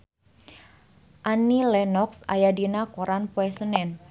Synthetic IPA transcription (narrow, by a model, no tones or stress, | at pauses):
ʔanilɛnɔksa̰jadinakoɾanpoɛsənɛn